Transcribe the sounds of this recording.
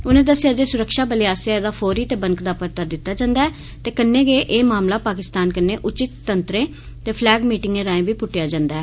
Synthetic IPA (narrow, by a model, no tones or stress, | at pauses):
ʊnẽːd̪əsːɪjaːd͡ʒeːsʊɾəkʃaːbəlɪjaːsaːeːd̪aːpʰoːɾiːt̪eːbəŋkd̪aːpəɾt̪aːd̪ɪt̪ːaːd͡ʒãːnd̪aːɛː | t̪eːkənːeːɡeːʔeːmaːmlaːpaːkɪst̪aːnkənːeːʔʊt͡ʃɪt̪ːənt̪ɾẽː | t̪eːpʰlɛːɡmiːʈɪŋɡẽːɾaːẽːbiːpʊʈːjaːd͡ʒãːnd̪aːɛː